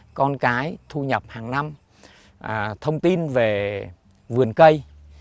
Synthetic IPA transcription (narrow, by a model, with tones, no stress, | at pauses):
kɔ˧nkaː˨˦jt̪ʰu˧ɲə˨˩p̚haː˨˩ŋna˧m | ʔt̪ʰə˧wŋ͡mt̪i˧nve˨˩ | vɨ˨˩ənkə˧j